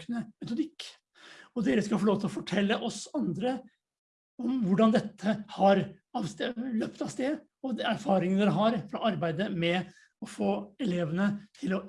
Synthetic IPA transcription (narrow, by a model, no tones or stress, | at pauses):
knəmɛt̪ʊd̪ɪkː | ɔd̪eːɾəskɑlfɔlɭoːʋt̪ʰɪlɔfɔʈʰɛlːəʔɔsɑnd̪ɾə | ɔmʋʊɖɑnd̪ɛt̪ʰːəhɑɾ | ɑʋsløpt̪ɑʋst̪eː | ɔd̪æɾfɑːɾɪŋənd̪ɛɾəɦɑɾfɾɑʔɑɾbæɪd̪əmɛ | ɔfoːɛleːʋənət̪ʰɪlɔ